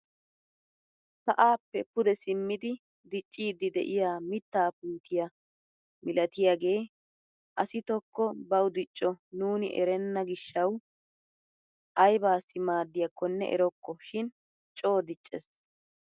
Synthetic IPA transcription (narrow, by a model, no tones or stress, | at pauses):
sɐʔaːpːɛpʊd̪ɛsɪmːɪd̪ɪ | d̪ɪt͡ʃʼːiːd̪ɪd̪ɛ̰ʔɪjaːmɪt̪ːaːpuːt̪ʰɪjɐ | mɪlɐt̪ɪjaɡe̞ː | ʔɐsɪt̪ɔkːɔbɐwd̪ɪt͡ʃʼːɔnuːnɪ̰ʔɛɾɛnːɐɡɪʃːɐw | ʔɐjbaːsːɪmaːd̪ːɪjɐkːɔnːɛ̰ʔɛ̰ɾɔkːɔʃɪn | t͡ʃʼo̞ːd̪ɪt͡ʃʼːɛs